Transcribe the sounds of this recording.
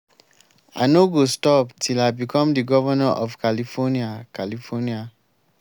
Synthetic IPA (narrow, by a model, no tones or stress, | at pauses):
a̰ɪnoɡostɔptʰilaɪbikʰɔ̃mdiɡɔvanaʔɔvkʰalifɔniakalifɔnia